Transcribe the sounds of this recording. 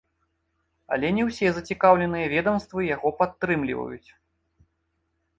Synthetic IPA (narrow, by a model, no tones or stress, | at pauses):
ɐ̰lʲɛnʲɛwsʲɛzɐt͡sʲikawlʲɛnɨjɐvʲɛd̪ɐmst̪vɨjaɣɔpat̪ːɾɨmlʲḭvɐ̰jṵt͡sʲ